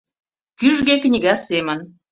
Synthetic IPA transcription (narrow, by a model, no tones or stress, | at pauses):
kyʒɣeknʲiɣɑsemə̆n